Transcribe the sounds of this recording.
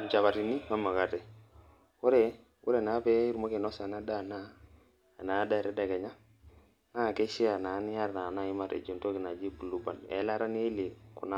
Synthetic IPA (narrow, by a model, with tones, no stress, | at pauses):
m̩˨d͡ʒa˨βa˨ɾi˨ni˦ma˦ma˨ka˦tɛ˨ | wu˦ɾɛ˨ | wu˦ɾɛ˨na˨˦pɛ˦i˦ɾmo˦ke˨nɔ˦sa˨na˦da˦˨na˦˨ | na˨˦da˦˨ɾɛ˦da˨kɛ˨ɲa˦ | na˦˨kɛ˦ʃi˦a˨na˨˦nɪ˦ja˦ɾna˨na˦ɪ˦ma˦ɾʔḛ˨d͡ʒo˨nto˦kɪ˨na˨d͡ʒi˦bu˨lu˦ba˨nɛ̰˨˦la˦ɾa˦n˦e˦li˨kṵ˨na˦